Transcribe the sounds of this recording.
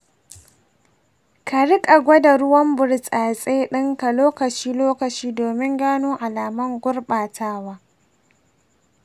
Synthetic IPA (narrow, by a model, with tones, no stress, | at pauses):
ka˨ɽɪ˦kʼa˨ɡʷɐ˦da˨ɽʊ˦wɐ˦mbʊ˨ɽsʼaː˨sʼeː˦ɗɪ˦ŋka˨loː˦kɐ˨t͡ʃiː˦loː˦kɐ˨t͡ʃiː˦doː˨mɪ˦ŋɡaː˦noː˦ʔa˨laː˨mɐ˦ŋɡʷʊ˦ɽɓaː˨tʰaː˦waː˦